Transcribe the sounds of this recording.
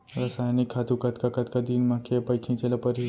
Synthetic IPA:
ɾɐsajnikʰːat̪ukɐt̪kakɐt̪kad̪inmakʰepɐjt͡ʃʰĩt͡ʃelapəɾi

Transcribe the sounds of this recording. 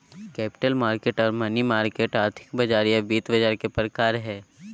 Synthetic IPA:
kɛːpɪ̥ʈəlmaːɾkeːʈɔːɾmɐnimaːɾkeːʈaːɾt̪ʰɪ̥kbɐd͡ʒaːɾijabiːt̪bɐd͡ʒaːɾkepɾəkaːɾɦɛː

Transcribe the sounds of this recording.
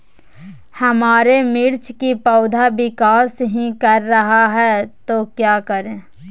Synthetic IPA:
hɐmaːɾemɪɾt͡ʃkipɔʊd̪ʱabɪkaːsɦĩkɐɾːɐɦaɦɛt̪okjaːkəɾẽː

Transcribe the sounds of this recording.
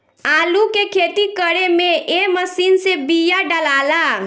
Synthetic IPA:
aːlukekʰet̪ikəɽemeeməsiːnsebijaɖəlaːla

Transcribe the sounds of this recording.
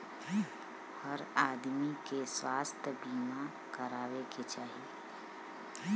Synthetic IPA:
həɾaːd̪mikeswaːst̪ʰəbiːma | kəɾaːweket͡ʃaːɦie

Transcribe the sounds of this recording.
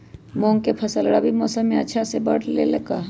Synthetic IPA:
mõːŋɡkepʰɐsəlɽabʱimɔːsəmːẽɐtːʃʰasebɐɽlḛlɐɡaː

